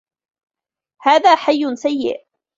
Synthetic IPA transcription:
haːðaːħajːʊnsajːɪ̰ʔ

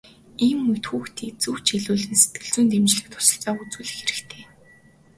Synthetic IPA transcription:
iːmːɵt̪xuːxt̪ʰiːk̚t͡suwt͡ɕeɮuːɮɘ̆nse̥t̪ɡɘ̆ɮt͡suːnt̪emt͡ɕɮɘ̆k̚t̪ʰʊ̥sɞ̥̆ɬt͡sɔːut͡suːɮɘ̆xeɾɘ̆kt̪ʰeː

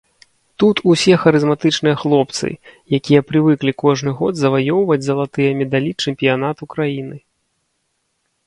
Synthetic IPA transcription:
t̪ut̪usʲɛxɐɾɨzmat̪ɨt͡ʂnɨjɐxlˠɔp̚t̪sɨ̰jakʲijɐpɾɨvɨklʲikɔʐnɨɣɔd̪zɐvajɔwvɐd͡zʲzɐlˠat̪ɨjɐmʲɛd̪alʲit͡ʂɛmʲpʲijanat̪ukɾajinɨ

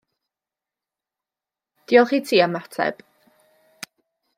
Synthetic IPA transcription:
d̥iːɔlˠχiːtʰiːamatʰɛ̰b̥

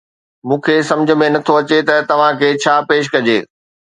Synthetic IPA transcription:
mũːkʰesɐ̃md͡ʑʱə̆mẽnɐt̪ʰoɐt͡ɕet̪ɐt̪ɐʋ̤ãkʰeːt͡ɕʰaːpeːʃ̬kɐd͡ʑḛː

